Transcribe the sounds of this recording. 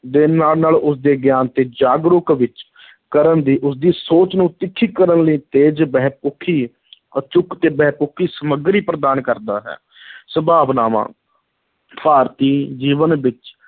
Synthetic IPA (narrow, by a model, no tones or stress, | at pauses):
d̪ɪnːaːlnaːlʊsd̪eːɡjaːnt̪eːd͡ʒaːɡɾʊkʋɪt͡ʃ | kəɾənd̪iːʔʊsd̪iːsoːt͡ʃnũːt̪ɪkʰːiːkəɾənləiːt̪eːd͡ʒbɛːpʊkʰiː | ət͡ʃʊkt̪eːbɛːpʊkʰːiːsəməɡɾiːpɾəd̪aːnkəɾd̪a̰ːɦɛ̰ː | səbaːʋnaːʋã̰ː | paːɾt̪iːd͡ʒiːʋənʋɪt͡ʃ